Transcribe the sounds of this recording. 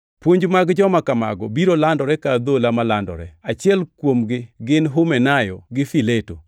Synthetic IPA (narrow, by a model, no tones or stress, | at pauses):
pwoɲd͡ʒmaɡd͡ʒɔmakama̰ɡɔbiɾolandɔɾɛkad̪olamalandɔ̰ɾɛat͡ʃɪɛlkwomɡɪɡɪnɦʊmɛnajɔɡɪfileto̰